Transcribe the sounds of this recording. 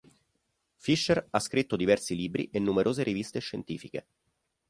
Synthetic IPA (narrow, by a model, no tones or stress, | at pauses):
fiʃːeraskɾit̪ːod̪ivɛrsiliːbɾḭʔenːumeɾʔoːzeɾivist̪eʃːent̪iːfike